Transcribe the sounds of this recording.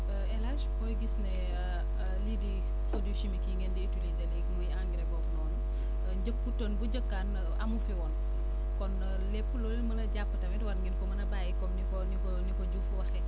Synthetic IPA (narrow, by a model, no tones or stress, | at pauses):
ɛlaskɔjɡisnɛ | lidi | pɾoduʃimikiŋɡɛndɛtulizɐlɛkmujãŋɡɾɛbɔk̚nɔːn | ɟək̚ːutonbuɟəkːaːn | ɐ̰mufiwɔn | kɔn | lɛpːulɔlilmɐnɐɟapːətɐmɛtwɐɾŋɡɛnkɔmɐnɐbaːjikɔmnikɔnikɔnikɔɟufwɐxɛ